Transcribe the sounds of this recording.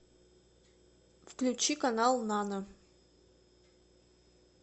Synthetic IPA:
fklʲut͡ɕikanɑlˠnanə

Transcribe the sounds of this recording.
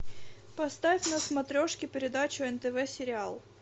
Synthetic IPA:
pɐst̪afʲnɐsmɐt̪ɾʲo̞ʂkʲɪpʲɪɾʲɪd̪at͡ɕʊɛnt̪əvɛsʲɪɾʲɪalˠ

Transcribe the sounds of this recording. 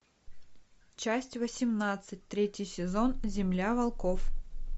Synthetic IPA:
t͡ɕæsʲtʲvəsʲɪmnat̪sɨt̚ʲt̪ɾʲetʲjɪjsʲɪzo̞nzʲɪmlʲavɐlˠkof

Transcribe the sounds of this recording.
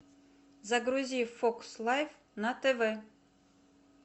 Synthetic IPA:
zɐɡɾuzʲifokslˠajf | nɐt̪ɛvɛ

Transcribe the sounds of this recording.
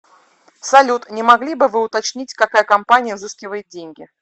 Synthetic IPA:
sɐlʲut̪nʲɪmɐɡlʲibɨvɨʊt̪ɐt͡ɕnʲitʲkɐkajəkɐmpanʲɪjəvzɨskʲɪvəjɪt̪̚dʲenʲɡʲɪ

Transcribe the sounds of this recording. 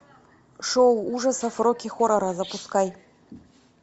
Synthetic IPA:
ʂowuʐɐsɐfrokʲixoɾɐɾazɐpuskaj

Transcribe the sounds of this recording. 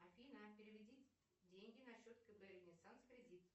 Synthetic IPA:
ɐfʲinapʲɪɾʲɪvʲɪdʲitʲ | dʲeŋʲɡʲɪnɐɕːot̪kəpəevʲnʲɪsanskɾʲɪdʲit̪

